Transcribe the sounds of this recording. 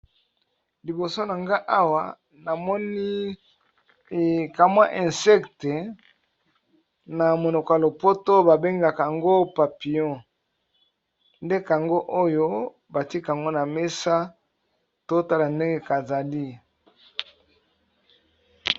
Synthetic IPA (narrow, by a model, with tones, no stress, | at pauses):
li˨bo˨so˦na˨ŋɡa˦ʔa˦wa˨ | na˨mɔ˦ni˦˨ | ka˨mwa˦ʔɛ̃˨sɛ˦kte˨ | na˨mo˨no˨ko˨lo˨po˦to˦ba˨be˦ŋɡa˨ka˨a˨ŋɡo˦pa˨pi˨jɔ̃˦˨ | nde˦ka˨ŋɡo˦ʔo˦jo˦ | ba˨ti˦ka˨ŋɡo˦na˨me˦sa˦ | to˦ta˦la˨nde˦ŋɡe˦ka˨za˨li˦